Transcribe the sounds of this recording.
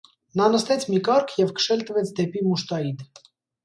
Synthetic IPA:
nɑnəst̪ɛt͡sʰmikɑɾkʰjɛvkʰə̥ʃɛlt̪əvɛt͡sʰd̪ɛpimuʃt̪ɑjit̪ʰ

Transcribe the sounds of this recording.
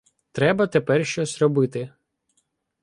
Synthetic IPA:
t̪ɾɛbɐt̪ɛpɛrʃʲt͡ʃɔsʲɾɔbɪt̪ɪ

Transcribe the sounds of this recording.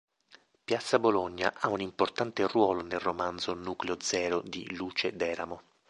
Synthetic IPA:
pjat̪sːaboloɲːa̰ʔaunimport̪ant̪erwɔːlonelromand̪zonuːkleod̪zɛːɾod̪ḭluːt͡ʃed̪ɛːɾa̰mo

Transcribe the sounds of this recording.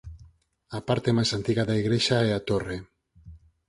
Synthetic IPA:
apaɾt̪emajsant̪iɣaðaiɣɾeʃaɛat̪ore

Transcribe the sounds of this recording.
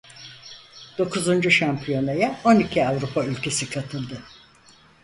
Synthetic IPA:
d̪̥o̞kʰuzund͡ʒuʃampʰijo̞najao̞nicʰiavɾupʰaylʲcʰesikʰat̪ʰɯlˠd̪ɯ

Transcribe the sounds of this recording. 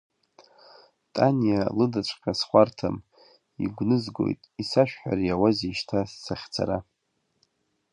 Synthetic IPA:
tʼanijalɨdaʈ͡ʂʷʰʼqʲʼasχʷartʰa̰m | ḭɡʷnɨzɡo̞̰jtʼisaʃᶣħᶣa̰rjawaziʃtʰasːaχʲt͡sʰa̰ɾa

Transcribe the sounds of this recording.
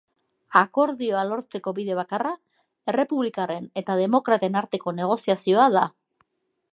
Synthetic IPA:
ako̞ɾðio̞alo̞ɾt͡se̞ko̞βiðe̞β̞akara | e̞re̞puβlikare̞ne̞t̪að̞e̞mo̞kɾat̪e̞naɾt̪e̞ko̞ne̞ɣ̞o̞siasio̞aða

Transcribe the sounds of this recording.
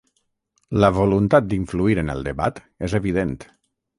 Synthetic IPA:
ləβolunt̪at̪̚d̪iɱfluiɾənə̰lˠd̪əβat̪ | ezəβiðent̪

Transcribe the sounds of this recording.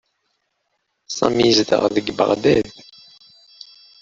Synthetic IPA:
sˤɑ̰mizd̪ə̰ʁðəɡbə̰ʁd̪æð

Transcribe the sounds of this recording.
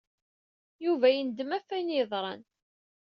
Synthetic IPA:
juvæjənd̪əmæfːæjnjəðˤɾˤɑ̰n

